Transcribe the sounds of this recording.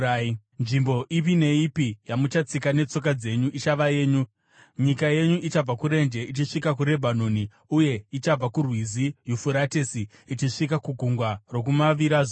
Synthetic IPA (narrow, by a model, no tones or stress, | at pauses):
a | nʐimbo̞ʔipine̞ipijamut͡ʃat͡sikane̞t͡so̞k̬ad͡ze̞ɲuʔit͡ʃaʋaje̞ːɲu | ɲikaje̞ɲuʔit͡ʃab͡vakuɾe̞nd͡ʒe̞ʔit͡ʃiʂikakuɾe̞bʱanoni | uje̞it͡ʃab͡vakurwizijufuɾate̞si | it͡ʃiʂik̬akuɡʱuŋɡwaro̞k̬umaʋiɾaʐo